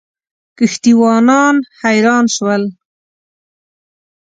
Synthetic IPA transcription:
kəxt̪iwɑːnɑnhajɾɑːnʃwəl

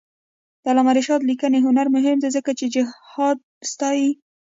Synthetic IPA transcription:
d̪̥əalɑmaɾɪʃɑd̪likəneɦʊnaɾmʊɦɪmd̪ezəkat͡ʃed͡ʒɪhɑd̪̚st̪ɑji

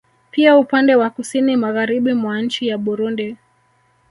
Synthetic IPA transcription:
piaupandɛwakusinimaɣaɾiɓimwan̩t͡ʃijaɓuɾundi

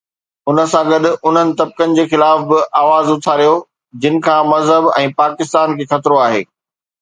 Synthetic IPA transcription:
ʊnə̆sãɡɐɗʊ̆ʔʊn̤ənɪ̆t̪ɐb̚kənɪ̆d͡ʑeːxɪlaːfbɪʔaːʋaːzʊt̪ʰaːɾijo | d͡ʑɪnɪ̆kʰãːmɐzɦəbɛ̰̃ːpaːkɪst̪aːnkʰeːxɐt̪ɾoaːɦḛː

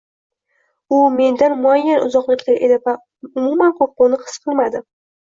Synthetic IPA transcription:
ʊme̞nd̪anmʊajːanʔʊ̰zɒqlˠɪkʲlaɾʔe̞d̪ɪva | ʊmumanqʰop̚qʊnɪqʰɨ̥sqʰɨlˠmad̪ɪ

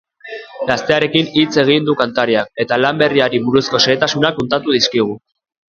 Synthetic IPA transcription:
ɡast̪e̞aɾe̞kinit͡se̞ɣ̞ind̪ukant̪aɾiak̚e̞t̪alambe̞riaɾiβuɾusko̞seːt̪asunako̞nt̪at̪uð̞iskiɣ̞u

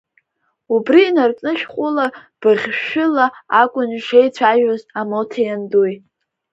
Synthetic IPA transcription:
ubriːnart͡sʼnɨʃᶣχʷʼʊlab̥ɨʁʲʃɪlaakʷʼʊniʂejt͡sʷʰaʒᶣazamotʰejanduj

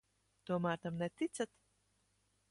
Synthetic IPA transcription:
t̪uɔmæːɾt̪amnɛt̪it̪sat̪

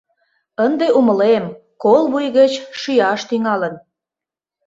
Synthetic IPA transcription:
ənd̪eʔuməlem | kolβujɣət͡ɕʃyjɑʃt̪yŋɑlən

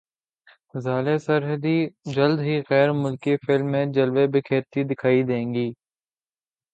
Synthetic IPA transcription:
zaːlesɐɾɦəd̪id͡ʒɐld̪ɦiɣɛːɾmʊlkifɪlmːẽd͡ʒɐlʋebɪkʰeːɾt̪id̪ɪkʰaːid̪ẽːŋɡiː

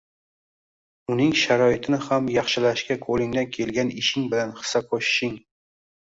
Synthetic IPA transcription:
ʊnɪŋʃaɾɒɪt̪ʰɪnɪhamjɑχʃɪlaʃkʲakʰolɪŋd̪ankʲʰe̞lɡʲanɪʃɪŋbɪlanχɨ̥saqʰoʃɪ̥ʃɪŋ

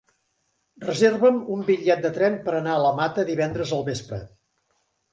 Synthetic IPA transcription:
rəzerβəmumbiʎːɛt̪̚d̪ət̪ɾɛmpəɾənaələmat̪əðiβɛnd̪ɾəzəlˠβespɾə̰

